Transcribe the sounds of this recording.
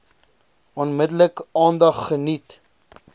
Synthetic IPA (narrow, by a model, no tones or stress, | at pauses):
ɔnmədələkɑːndɐχːənit